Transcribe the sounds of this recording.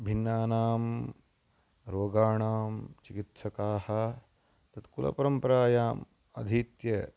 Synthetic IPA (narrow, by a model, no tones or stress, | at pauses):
bʱinːaːnaːm | ɾoːɡaːɳaːmt͡ʃikit̪ʃɐkaːhɐ̆ | t̪ɐt̪kulʔɐ̰pɐɾɐmpɐɾaːjaːm | ɐ̰d̪ʱit̪jɐ